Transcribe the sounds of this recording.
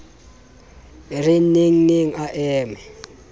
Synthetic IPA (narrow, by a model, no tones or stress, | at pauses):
rinniŋ̩niŋ̩aʔɛːmɛ